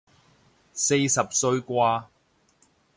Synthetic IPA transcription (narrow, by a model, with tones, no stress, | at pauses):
se˧jsɐ˨p̚sɵ˧ɥkʷaː˧